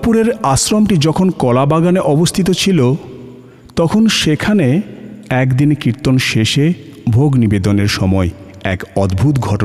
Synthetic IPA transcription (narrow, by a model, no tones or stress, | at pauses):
puɾeɾaʃɾomʈid͡ʑɔkʰonkɔlabaɡaneʔɔbost̪ʰit̪̬ot͡ɕʰilo | t̪ɔkʰonʃekʰaneɛkd̪inkiɾt̪ːonʃeʃe | bʱoɡnibed̪oneɾʃɔmɔe | ɛ̰kɔd̪bʱut̪ɡʱɔʈo